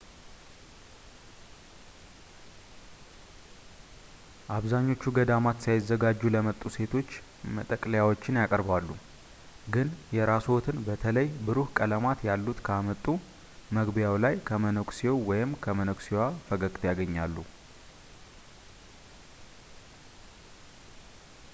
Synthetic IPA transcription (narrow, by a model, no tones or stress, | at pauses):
ʔaβzaɲːo̞t͡ʃːuɡəd̪amat̪sajɪzːəɡad͡ʒːuləmət̪ʼːuse̞t̪ʰo̞t͡ʃː | mə̰t̪ʼəkʼləjawo̞t͡ʃːɪnjakʼəɾbalːu | ɡɨnjɛɾasot̪ʰɨnbət̪ʰələjbɨɾuhkʼələmat̪jalːut̪kʰəamət̪ʼːu | məɡbjawlajkʰəmənəkʷʼsiowwɔjɪmkʰəmənəkʷʼsiwafəɡəkʼt̪ʰjaɡəɲːalːu